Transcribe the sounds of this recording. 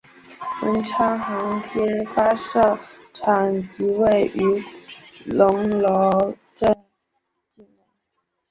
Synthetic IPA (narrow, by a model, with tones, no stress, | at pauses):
wə̰˧˥nʈ͡ʂʰa˥xa˧˥ŋt̪ʰjɛ˥nfa˥ʂɤ˥˩ | ʈ͡ʂʰa˨˩ŋt͡ɕi˧˥we˥˩ɪʔy˧˥ | lʊ˧˥ŋlo˧˥ | ʈ͡ʂə˥˧˩ | t͡ɕi˥˩n˥˩